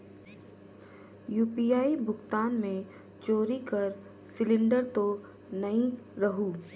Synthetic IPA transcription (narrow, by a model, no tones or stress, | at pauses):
juːpiːjaːibʱʊɡt̪aːnmẽ | t͡ʃoːɾikɐɾ | sɪlɪ̃ɳɖəɾt̪o | nɐĩ | ɾɐɦuː